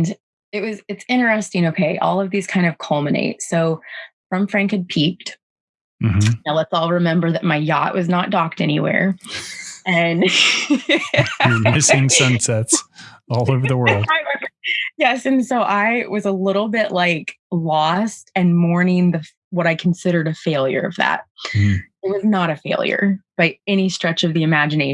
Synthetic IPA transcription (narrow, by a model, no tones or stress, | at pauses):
n | ɨt̚wʌzɨtsɪ̃ɾ̃ə˞ɛstɪ̃ŋoʊkʰeɪʔɔ̰lˠʌvðiz̥kʰãɪ̃ndʌv̥kʰʌlˠmɨnḛɪtsoʊfɹʌ̃ɱfɹæ̃ŋkɨ̃n̚pʰip̚t | m̩m̥m̩lətsɔlˠɹɨmɛ̃mbə˞ðɨt̚maɪjɑ̰ʔwʔʌznət̚d̥ɑk̚tɛñiwɛ̰ɹ | ɨ̃n | mɪsɪ̃ŋsʌ̃nsɛtsɔlˠoʊvə˞ðəwɜ˞lˠdaɪ | jɛsɨ̃nsoʊʔaɪwʔʌzəlɪɾl̩ˠbɪʔlaɪklɔstɨ̃nmɔɹnɪ̃ŋðɨ | wʌɾaɪkʰn̩sɪɾə˞ɾɨfeɪlˠjə̰˞ʌ̰vðæ̰t̚ | ɪt̚wʌznəɾɨfeɪlˠjə̰˞b̥aɪɛɾ̃istɹ̥ɛt͡ʃʌvðiɨmæd͡ʒɨneɪ